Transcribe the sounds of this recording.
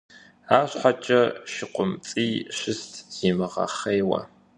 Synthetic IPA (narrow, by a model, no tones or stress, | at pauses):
aːɕħʷat͡ʃʼɐʃɪqʷʊmt͡sʼiːɕɪstʰz̥iːmɨʁɐ̰χejwɐ̰